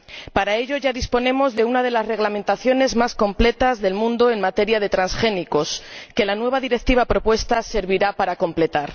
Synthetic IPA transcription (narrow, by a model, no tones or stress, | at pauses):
paɾae̞ʎo̞ʝaðispo̞nẽ̞mo̞zðe̞unað̞e̞laszre̞ɣlamẽ̞nt̪aθjo̞ne̞zmasko̞mple̞t̪azðe̞lmũnd̪o̞e̞nmat̪e̞ɾjað̞e̞t̪ɾansxe̞niko̞ske̞lanwe̞βaðiɾe̞k̚t̪iβ̞apɾo̞pwe̞st̪ase̞ɾβiɾapaɾako̞mple̞t̪aɾ